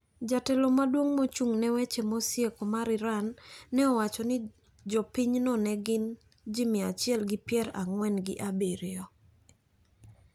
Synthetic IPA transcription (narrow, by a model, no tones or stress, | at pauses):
d͡ʒatɛlɔmadwoŋmot͡ʃuŋnɛwɛt͡ʃemosjekɔmaɾɪɾanːɛɔwat͡ʃɔnɪ | d͡ʒɔpiɲnɔnɛɡɪn | d͡ʒimɪat͡ʃɪɛlɡɪpjɛɾaŋwɛnɡɪʔabeɾɔ